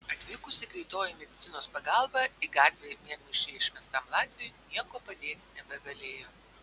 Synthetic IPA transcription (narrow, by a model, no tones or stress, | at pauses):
ɐt̪ʲʋʲiːkʊsʲɪkɾʲɛɪt̪oːjʊmʲɛd̪ʲɪt̪ʲɪnoːspɐɡɑˑlˠbɐɪɡɑːt̪ʲʋʲeːjmʲiɛɡnʲʊʃʲt͡ʃʲɛɪɪʃʲmʲɛst̪ɐmlˠɑːt̪ʲʋʲɪjoːjnʲiɛkoːpɐd̪ʲeːt̪ʲnʲɛbʲɛɡɐlʲeːjoː